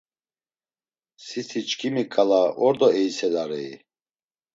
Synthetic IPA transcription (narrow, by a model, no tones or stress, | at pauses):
sisit͡ʃkʰimikʼalaʔɔɾd̪ɔɛisɛlaɾɛi